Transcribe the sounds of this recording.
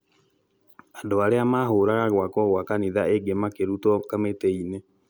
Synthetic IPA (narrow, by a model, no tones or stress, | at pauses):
andoaɾeamaɦoɾaɣaɣwakɔɣwakaniðaeɡemakeɾutɔkameteine